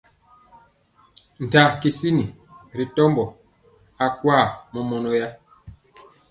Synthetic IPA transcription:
n̩˨ta˨ki˨si˦ni˨ɾi˨tɔ˦mbɔ˨ | a˨kwa˦˨mɔ˨mɔ˨nɔ˦ja˦

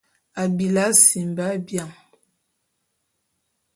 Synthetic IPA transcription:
a˨bi˨la˦si˨m˨ba˦bja˨ŋ

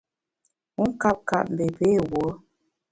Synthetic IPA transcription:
u˦ŋ̩˦ka˦p̚ka̰˨ʔm̩˨be˨pe˨˦˨wo˨˦

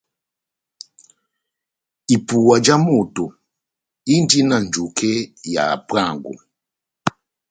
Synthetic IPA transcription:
i˨pu˨wa˨d͡ʒa˦mu˨tu˨ | i˦ndi˦na˨n˨d͡ʒu˨kʰɛ˦ja̰˨pa˦˨ŋɡṵ˨

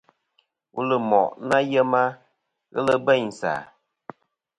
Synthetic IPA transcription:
wṵ˦lə˨mɔ˨ʔna˦jə˦ma˦ | ɣə̰˦lə˦bɛ˦˨ɲ˨sa̰˨

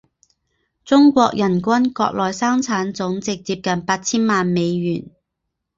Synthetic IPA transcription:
t͡sʊ˥ŋkʷɔː˧k̚jʔɐ˨˩nkʷɐ˥nkɔ̰ː˧k̚lɔː˨jsaː˥ŋt͡sʰaː˨˥nt͡sʊ˨˥ŋt͡sɪ˨k̚t͡siː˧p̚kɐ˨npaː˧t̚t͡sʰiː˥nmaː˨nme˨˧jɥyː˨˩n

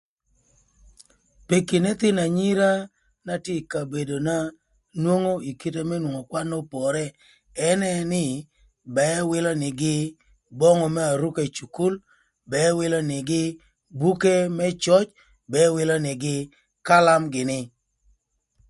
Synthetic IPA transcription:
pe˨ki˨nɛ˦t̪ɪ˦na˨ɲi˦ɾa˦ | na˦te˦˨ka˨be˨do˨na˦ | nwo˦ŋo˦i˨ki˦te˦mɛ˦nwo˨ŋɔ˨kwa˦nɔ˦pɔ˨ɾɛ˦ | ɛ˦nɛ˦nɪ˦ | bɛ˨˦wɪ˦lɔ˦nɪ˨ɡɪ˦ | bɔ˦ŋɔ˦˨mɛ˦a˨ɾu˦ke˦˨t͡ʃu˨ku˦l | bɛ˨˦wɪ˦lɔ˦nɪ˨ɡɪ˦ | bu˦ke˦mɛ˦t͡ʃɔ˦t͡ʃ | bɛ˨˦wɪ˦lɔ˦nɪ˨ɡɪ˦ | ka˦la˦mɡɪ˨nɪ˦

